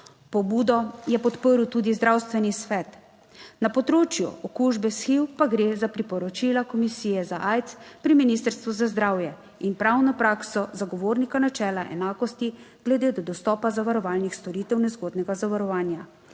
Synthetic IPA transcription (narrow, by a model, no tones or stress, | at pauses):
pɔbuːd̪ɔjɛpɔt̪pəɾut̪uːd̪izd̪ɾawst̪ʋɛnisʋɛːt̪ | napɔt̪ɾoːt͡ʃjṵɔkuʒbɛsxiwpaɡɾeːzapɾipɔɾɔt͡ʃilakɔmisijɛzaʔajt̪spɾiminist̪əɾst̪ʋuzazd̪ɾaːwjɛ | inpɾawnɔpɾaːksɔzaɡɔʋoːɾnikanat͡ʃɛːlaʔɛ̰naːkɔst̪iɡ̥lɛd̪eːd̪ɔd̪ɔst̪ɔːpazaʋaɾɔʋaːlnixst̪ɔɾit̪ɛwnɛzɡoːd̪nɛɡazaʋaɾɔʋaːnja